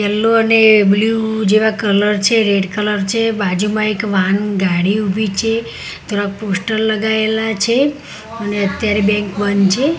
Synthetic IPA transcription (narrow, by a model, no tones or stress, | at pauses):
pɛlːoənebljud͡ʒeʋãkələɾt͡ʃʰeɾeɖkələɾt͡ʃʰebad͡ʒumãekʋãnɡaɽiubʱit͡ʃʰe | t̪ʰoɽak̚posʈəlːəɡaelat͡ʃʰe | əneət̪jaɾebɛ̃ŋkbənt͡ʃʰe